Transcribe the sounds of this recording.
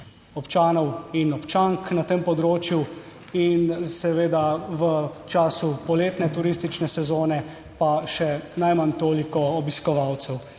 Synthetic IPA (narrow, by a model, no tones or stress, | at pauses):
ɔpt͡ʃaːnɔwinɔpt͡ʃaŋknat̪empɔd̪ɾoːt͡ʃju | insɛʋeːd̪aʋət͡ʃaːsupɔleːt̪nɛt̪uɾist̪it͡ʃnɛsɛzoːnɛ | paʃɛnajmant̪oːlikɔɔbiskɔʋaːwt̪sɛw